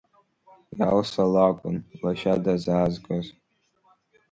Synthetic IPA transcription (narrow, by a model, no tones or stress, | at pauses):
jalsalakʷʼʊnlaʃadazaːzɡʼaz